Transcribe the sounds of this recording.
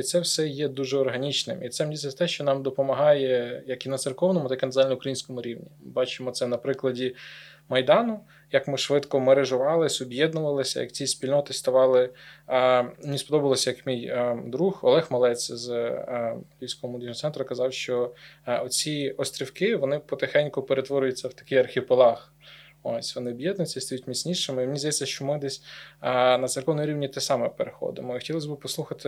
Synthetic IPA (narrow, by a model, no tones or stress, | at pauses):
it̪sɛwsɛjɛd̪uʒɛɔrɦɐnʲit͡ʃnɪmit̪sɛmdʲisʲɐsʲt̪ɛʃt͡ʃɔnɑmd̪ɔpɔmɐɦɑjɛjɐkinɐt̪serkɔwnɔmʊt̪ɑkinɐzalʲnɐʊkɾɐjinʲsʲkɔmʊɾʲiwnʲimɪbɑt͡ʃɪmɔt̪sɛnɐpɾɪklˠɐdʲi | mɐjd̪ɑnʊ | jɐkmɪʃʋɪt̪kɔmɐɾeʒʊʋɑlˠɪsʲɔbjɛd̪nʊʋɐlˠɪsʲɐ̰jɐ̰kt͡sʲisʲpʲilʲnɔt̪ɪst̪ɐʋɑlˠɪ | nʲispɔd̪ɔbɐlˠɔsʲɐjɐkmʲijd̪ɾuxɔ̰lˠɛxmɐlˠɛt͡sʲz | ʋʲijsʲkɔʋɔmʊd̪ʲiʒnɔt̪sɛnt̪ɾʊkɐzɑwʃt͡ʃɔɔt͡sʲiɔst̪ɾʲiwkɪʋɔnɪpɔt̪ɪxɛnʲkʊpeɾet̪ʋɔɾʲʊjʊt͡sʲːɐwt̪ɐ̥kɪjɐrxʲɪpelˠɑx | osʲʋɔnɪɔbjɛd̪nʊjt͡sʲːɐist̪ɔjutʲmʲit͡sʲnʲiʃɪmeimenʲizd̪ɐjɛt͡sʲːɐʃt͡ʃɔmɪd̪ɛsʲ | nɐserkɔwnmʊɾʲiʋnʲit̪ɛsɑmɛpeɾexɔ̰d̪ɪ̰mɔixɔ̥tʲilˠɐs̬ʲbɪpɔslˠuxɐt̪ɪ